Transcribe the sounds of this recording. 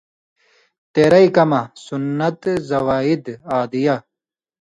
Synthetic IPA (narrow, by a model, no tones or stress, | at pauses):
t̪eɾɐikɐmɐsunːɐt̪zɐwaːid̪aːd̪ija